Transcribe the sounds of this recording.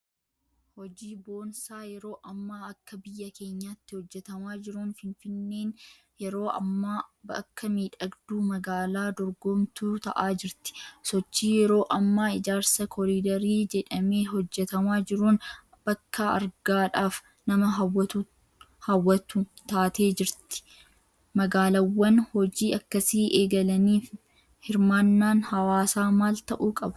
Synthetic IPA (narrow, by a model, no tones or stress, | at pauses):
hɔd͡ʒiːbo̞ːnsaːjɛɾo̞ːʔɐmːaːɐkːɐbɪjːɐke̞ːɲːaːt̪ːɪhɔd͡ʒːɛt̪ɐmaːd͡ʒɪɾuːnfɪnfɪnːe̞ːn | jɛɾoːɐ̰mːaːbɐ̰kːɐmiːᶑɐɡd̪uːmɐɡaːlaːd̪ɔɾɡɔmt̪ut̪ɐ̰ʔaːd͡ʒɪɾt̪ɪ̥sɔt͡ʃːiːjɛɾo̞ːʔɐmːaːɪd͡ʒaːɾsɐkʰɔɾiːd̪ɐɾiːd͡ʒɛᶑɐme̞ːɦɔd͡ʒːɛt̪ɐmaːd͡ʒɪɾuːn | b̥ɐkːaɐ̰ɾɡaːᶑaːf | nɐmɐɦɐwːɐt̪u | hɐwːɐt̪ʊ | t̪aːt̪e̞ːd͡ʒɪɾt̪ɪ̥ | mɐɡaːlɐwːɐnhɔd͡ʒiːɐkːɐsiːʔeːɡɐlɐniːf | hɪɾmaːnːaːnhɐwaːsaːmaːlt̪ɐʔuːkʼɐbʊ̥